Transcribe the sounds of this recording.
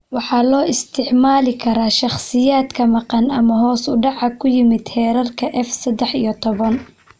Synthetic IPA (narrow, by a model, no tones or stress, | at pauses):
wɑħɑːlɔːɪst̪ʰɪʕmaːlɪkʰɐɾaːʃɑχsɪjaːd̪kʰɐmɑqɑnɐmɐɦɔːsʊɖɑʕɑkʰʊjɪmɪd̪hɛːɾɐrkʰɐʔɛfsɐd̪ɛħijɔt̪ʰɔβɐn